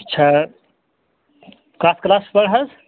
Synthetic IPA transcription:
tːt͡ʃʰa | kasklaspəɽɦɐz

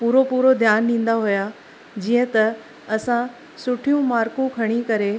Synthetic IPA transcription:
puːɾopuːɾod̪ʱjaːnɖĩːn̆d̪aɦuja | d͡ʑiːə̃t̪ɐ | ɐsã | sʊʈʰijũmaːɾkũkʰɐɽ̃ikɐɾe

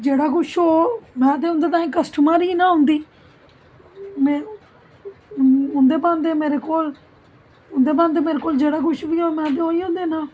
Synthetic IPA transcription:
d͡ʒeːɽaːkʊʃɦoːmɛ̃ːt̪̬eːʊ̃nd̪eːt̪̬aːĩːkəsʈəmaːɾiːnãːɦʊ̃nd̪iː | mɛ̃ː | ʊ̃nd̪eːbãːnd̪eːmeːɾeːkoːl | ʊnd̪eːbãːnd̪eːmeːɾeːkoːld͡ʒeːɽaːkʊʃʋiːoːmɛ̃ːt̪̬eːɦoːiːõːnd̪eːnãː

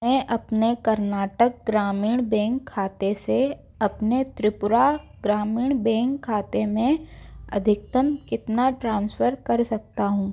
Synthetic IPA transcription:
ɛ̃ːʔɐpnekɐɾnaːʈək̚ɡɾaːmiːɽ̃bɛ̃ːŋkʰːaːt̪ese | ɐpnet̪ɾɪpʊɾa | ɡɾaːmiːɽ̃bɛ̃ːŋkʰːaːt̪emẽɐ̰d̪ʱɪk̚t̪əmkɪt̪naʈɾãːnsfəɾkɐɾsɐk̚t̪aɦũː

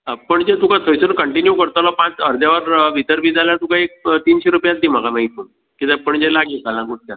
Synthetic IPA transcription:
əpəɳd͡ʑet̪ukasəjsənkəɳʈinjukəɾt̪alɔpãt͡səɾd̪jaʋəɾʋit̪əɾbid͡zaljat̪ũkaek̚t̪iːnɕeɾupjãt͡s̚d̪im̤akamaɦit̪u | kit̪əpəɳd͡ʑelaɡid͡zalãkuʈ̚t̪ja

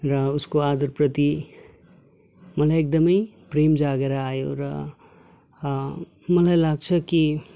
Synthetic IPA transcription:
ɾʌuskoad̪ʌɾpɾʌt̪i | mʌlajek̚d̪ʌmʌjpɾemd͡ʒaɡeɾaajoɾʌ | mʌlajlaɡ̚t͡sʰʌki

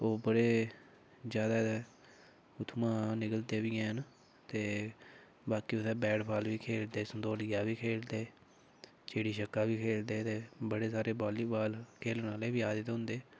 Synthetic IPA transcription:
oːbəɽeː | d͡ʒjaːd̪aːt̪eː | ʊt̪ʰmãːnɪkəlt̪eːʋiːɛ̃ːɦən | t̪eː | baːkiːʊt̪ɛːbɛːɽpʰaːlʋiːkʰeːld̪eːsənd̪oːlɪjaːʋiːkʰeːld̪eː | t͡ʃeːɽiːʃəkːaːʋiːkʰeːld̪eːt̪eːbəɽeːsaːɾeːbaːliːbaːlkʰeːlnaːleːbiːaːd̪ɪt̪ːɦʊ̃nd̪eː

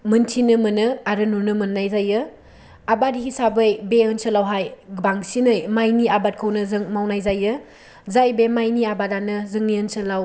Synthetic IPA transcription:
mɯntʰinɯmɯnɯaɾɯnuɾnɯmɯnːajzajɯ | abadhisabɯjbeɯnsɯlawɦajɡbaŋsinɯjmajniabat̚kʰɯwnɯzɯŋmawnajzajɯ | zajbemajniabadanɯzɯŋniɯnsɯlaw

